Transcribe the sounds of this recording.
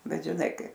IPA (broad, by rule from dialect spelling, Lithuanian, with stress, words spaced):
ˈbʲɛt ʒʲɪˈnɐɪ ˈkɐɪp